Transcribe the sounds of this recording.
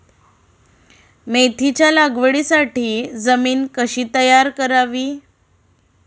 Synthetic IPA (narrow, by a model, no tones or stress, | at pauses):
met̪ʰit͡ɕjalaɡʋəɽisaʈiːd͡zəmiːnkəɕiːt̪əjaɾkəɾaʋiː